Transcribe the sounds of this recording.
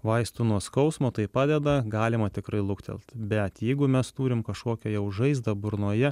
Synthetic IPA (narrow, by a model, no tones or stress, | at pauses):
ʋɐɪst̪ʊnuɔskɐʊsmoːt̪ɐɪpɑːd̪ʲɛd̪ɐɡɑːlʲɪmɐt̪ʲɪkɾɐɪlˠʊkt̪ʲɛ̰lʲˠt̪bʲɛt̪jɛɪɡʊmʲɛst̪uːɾʲɪmkɐʃkoːkʲɛjɛʊʒɐɪzd̪ɐbʊɾnuːjɛ